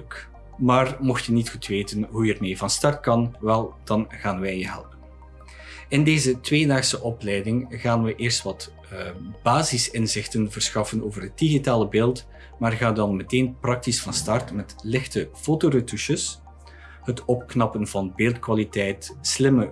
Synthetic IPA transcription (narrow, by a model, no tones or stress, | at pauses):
k | maːrmɔxtjənitxutʋeːtənɦujərmeːvɑnstɑrt̚kɑnʋɛlˠd̥ɑnɣaːnʋɛjjəɦɛ̰lpən | ɪndeːzətʋeːdaːxsəʔɔplɛjdɪŋɣaːnʋəʔɪːrstʋɑt | b̥aːzɪsɪnzɪxtənvərsxɑfənoːvərɦət̚diɣitaːləbeːlˠt | maːrɣaːdɑnmɛteːnprɑk̚tisfɑnstɑrtmɛtlɪxtəfoːtoːrətuʃəs | ɦətɔp̚knɑpənvɑnbeːlˠtkwaːlitɛjtslɪmə